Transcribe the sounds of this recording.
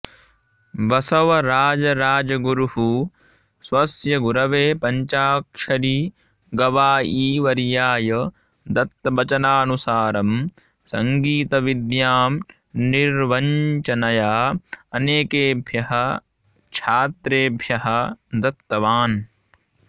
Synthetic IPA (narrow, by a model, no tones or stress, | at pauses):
ʋɐsɐʋɐɾaːd͡ʒɐɾaːd͡ʒɐɡuɾuɦu | sʋɐsjɐɡuɾɐʋeːpɐɲt͡ʃaːkʂɐɾiː | ɡɐʋaːʔiːʋɐɾjaːjɐ | d̪ɐt̪ːɐbɐt͡ʃɐnaːnusaːɾɐm | sɐŋɡiːt̪ɐʋid̪jaːm | niɾʋɐɲt͡ʃɐnɐjaːɐneːkeːbʱjɐɦɐ | t͡ʃʰaːt̪ɾeːbʱjɐɦɐd̪ɐt̪ːɐʋaːn